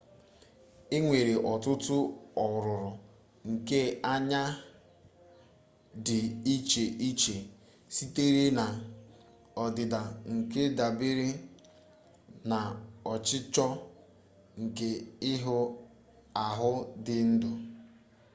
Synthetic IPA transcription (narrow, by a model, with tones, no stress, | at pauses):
e˦ŋʷe˨ɾe˨ʔɔ˨tʊ˦tʊ˦ɔ˨ɾʊ˨ɾʊ˨ | ŋ̩˨ke˦a˦ɲa˦ | dɪ˨i˦t͡ʃe˨ʔi˦t͡ʃe˨ | si˦te˦ɾe˦na˨ | ɔ˨dɪ˨da˨ŋ̩˨ke˦da˨bɪ˦ɾɪ˦ | na˨ɔ˨t͡ʃɪ˦t͡ʃɔ˦ | ŋ̩˨ke˦ɪ˦ɦʊ˦ | a˨ɦʊ˦dɪ˨n̩˦dʊ˨